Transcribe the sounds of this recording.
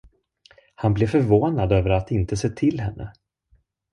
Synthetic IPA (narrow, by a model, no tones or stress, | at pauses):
hanblɛfœɾvoːnad̪øːvəɾat̪ɪnt̪əseːt̪ʰɪlɦɛnːʔə̰